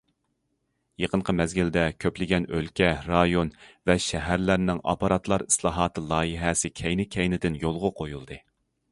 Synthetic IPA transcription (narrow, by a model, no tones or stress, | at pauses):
jeqəɴqʰəmɛzɡʲild̪ɛkʲʰøplɪɡʲɛnølkʲɛɾɑjonvɛʃɛɦæɾlæɾnɪŋɑ̰pɑɾɑt̪lˠɑɾi̥slˠɑːɦɑːt̪ʰɨlˠɑːjiɦɛsɪkʲʰɛjnɪkʲʰɛjnɪd̪ɪnjolˠʁʊqʰojulˠd̪ɨ